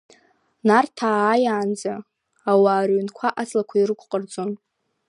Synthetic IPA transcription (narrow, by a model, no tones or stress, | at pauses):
nartʰaːjaːnd͡za | awaːrɥnkʷʰaʔat͡sʰʼlakʷʰairɨkʷʼqʼərd͡zʼo̞n